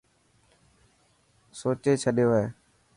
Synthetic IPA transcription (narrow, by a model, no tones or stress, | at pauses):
soːt͡ʃeːt͡ʃʰəɗjoːeː